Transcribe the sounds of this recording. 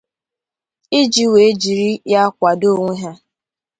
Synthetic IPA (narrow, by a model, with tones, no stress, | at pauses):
ɪ˦d͡ʒi˦we˨e˦d͡ʒi˨ɾi˦ja˦kʷa˨do˦˨ŋʷe˦ɦa˦